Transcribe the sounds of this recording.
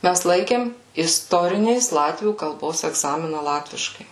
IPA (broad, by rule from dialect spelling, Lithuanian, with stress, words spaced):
ˈmʲæs ˈlˠɐɪkʲeːm ɪsˈtoːrʲɪnʲeːs ˈlˠɑːtʲʋʲuː kɐlˠˈboːs ɛɡˈzɑːmʲɪnɐ ˈlˠɑːtʲʋʲɪʃkɐɪ